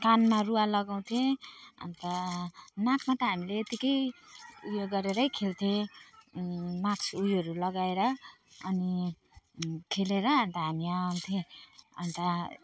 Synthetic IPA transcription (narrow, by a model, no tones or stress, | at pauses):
kanmarualʌɡaw̃t̪ʰẽʌ̰nt̪ʌnakʰmat̪ʌɦamileːt̪ikʌjujoɡʌɾeɾʌjkʰelt̪ʰẽ | maksujʌɾulʌɡaeɾʌʌni | kʰeleɾʌːnt̪ʌɦamiant̪ʰẽʌ̰nt̪ʌ